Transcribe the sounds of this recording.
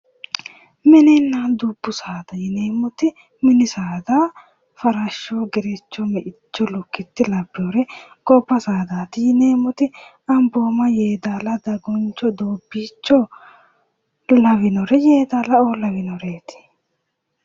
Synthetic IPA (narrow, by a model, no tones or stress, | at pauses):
mɛnɛnːaːd̪ʊbːʊsaːd̪ɐjɪneːmʊt̪ɪ | mɪnɪsaːd̪aː | fɐɾɐʃːoːɡɛɾɛt͡ʃːɔmɛʔɪt͡ʃːɔlʊkːɪt̪ːɪlɐbːɪoɾɛkɔpːɐsaːd̪aːt̪ɪjɪneːmʊt̪ɪ | ɐmboːmɐjeːd̪aːlɐd̪ɐɡɔnt͡ʃːɔd̪oːbːiːt͡ʃːɔ | lɐwɪnɔɾɛjeːd̪aːlɐoːlɐwɪnɔɾeːt̪ɪ̥